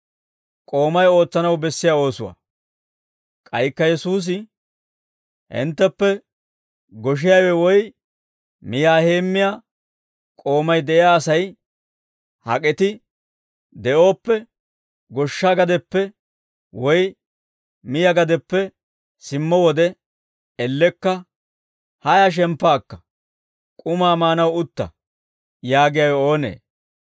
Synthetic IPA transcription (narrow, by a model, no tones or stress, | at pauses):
kʼo̞ːmɐjo̞ːt͡sːɐnɐwbɛsːɪjao̞ːsʊwɐ̰ | kʼɐjkːɐjɛsuːs̬ɪ | ɪ̰nt̪ːɛpːɛ | ɡɔʃ̬ɪjɐjwɛwɔj | mɪjaːhe̞ːmːɪja | kʼo̞ːmɐjd̪ɛɪjaːsɐj | hɐ̰kʼɛt̪ɪ | d̪ɛʔo̞ːpːɛ | ɡɔʃːaɡɐd̪ɛpːɛ | wɔj | mɪjɐɡɐd̪ɛpːɛ | sɪmːɔwɔd̪ɛ | ɛlːɛkːɐ | hɐjɐʃ̬ɛmpːaːkːɐ̥ | kʼʊmaːmaːnɐwʊt̪ːɐ̰ | jaːɡɪjɐwo̞ːnḛː